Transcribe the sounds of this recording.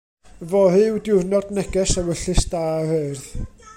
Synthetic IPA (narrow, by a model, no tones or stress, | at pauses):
vɔhɨwdɪrnɔdnɛɡɛsawəɬɨsd̥aːhɨrð